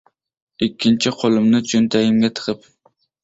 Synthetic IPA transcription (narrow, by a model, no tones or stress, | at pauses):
ikʲʰːint͡ʃʰiqʰolˠɨmnɨt͡ʃʰynt̪ʰɛjɪmɡʲɛt̪ʰə̥qʰəp